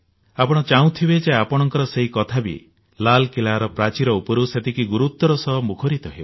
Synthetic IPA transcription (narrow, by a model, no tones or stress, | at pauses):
apɔɽ̃ɔt͡ʃaw̃t̪ʰibed͡ʒeapɔɽ̃ɔŋkɔɾɔseɦikɔt̪ʰabḭ | lalkilaɾɔpɾat͡ʃiɾɔupɔɾuset̪ʰikiɡuɾut̪ːɔɾɔsɔɦmukʰɔɾit̪ɔɦebu